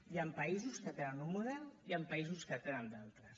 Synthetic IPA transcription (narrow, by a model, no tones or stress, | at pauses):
jampɐizuskət̪enənunmuðɛrniampaizuskət̪enənd̪alˠt̪ɾəs